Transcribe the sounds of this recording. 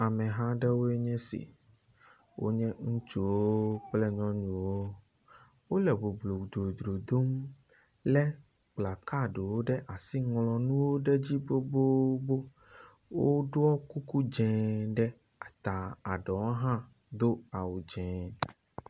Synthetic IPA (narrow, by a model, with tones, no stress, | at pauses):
a˨mɛ̃˨ɦã˦ɖɛ˦wo˦e˦ɲɛ̃˦sḭ˨ | wo̰˦ɲɛ̃˦ŋũ˦t͡ʃu˨wo˦k͡ple˦ɲɔ̃˦ɲũ˨wo˦ | wo˦lɛ˨bo˨blo˨d̪ɾo˨d̪ɾo˨d̪o˦m | lɛ˦ | k͡pla˨ka˦ɖe˨wo˦ɖɛ˦ʔa˨si˦ŋlɔ̃˨nũ˦wo˦ɖɛ˦d͡ʑi˦bo˦bo˦bo˦ | wo˦ɖo˦ɔ˦ku˦ku˦d͡ʒɛ̃˨ɖɛ˦ | a˨t̪a˨a˨ɖɔ˨wo˦ɦã˦ | d̪o˦a˨wu˨d͡ʒɛ̃˨